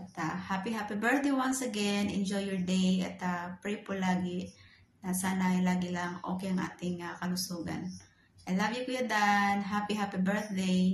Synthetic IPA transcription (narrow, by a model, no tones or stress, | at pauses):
ʔɐt̪ahapiɦaːpibɛɹθ̚d̪ejwansɐɡɛnʔɛ̰nd͡ʒojːɔɹd̪ejɐt̪apɹejpolaːɡɪ | nɐsaːnɐjlaːɡɪlɐŋʔo̰ːkɛjɐŋʔa̰ːt̪ɪŋakɐlʊsuːɡɐ̰n | ʔɐjlaːɡɪkʊjad̪aʔnɦapihaːpibɛɹθ̚d̪ej